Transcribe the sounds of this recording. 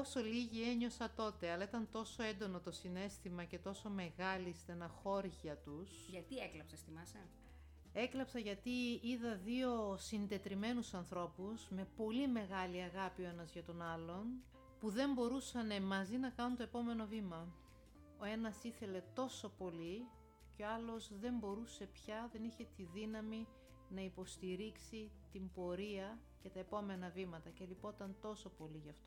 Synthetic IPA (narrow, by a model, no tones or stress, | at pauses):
oso̞liʝie̞ɲo̞sɐt̪o̞t̪e̞ɐlɐit̪ɐnt̪o̞so̞e̞nd̪o̞no̞t̪o̞sine̞st̪imɐce̞t̪o̞so̞me̞ɣɐlist̪enɐxo̞ɾʝɐt̪usʝɐt̪ieklɐpsɐst̪imɐsɐ | e̞klɐpsɐʝɐt̪iiðɐðio̞sind̪e̞t̪ɾime̞nusɐnθɾo̞pusme̞po̞lime̞ɣɐliɐɣɐpio̞e̞nɐzʝɐt̪o̞nɐlo̞n | puðe̞mbo̞ɾusɐne̞mɐzinɐkɐnunt̪o̞epo̞me̞no̞vimɐ | o̞e̞nɐsiθe̞le̞t̪o̞so̞po̞li | ceoɐlo̞zðe̞mbo̞ɾuse̞pçɐðe̞niçe̞t̪iðinɐmi | nɐipo̞st̪iɾiksit̪imbo̞ɾiɐ | ce̞t̪ɐe̞po̞me̞nɐvimɐt̪ɐce̞lipo̞t̪ɐnt̪o̞so̞po̞liʝɐft̪o